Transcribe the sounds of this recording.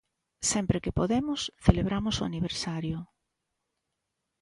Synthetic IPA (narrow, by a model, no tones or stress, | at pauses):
sɛmpɾekɪpoðemʊsθeleβ̞ɾamʊsoa̰niβ̞eɾsaɾjʊ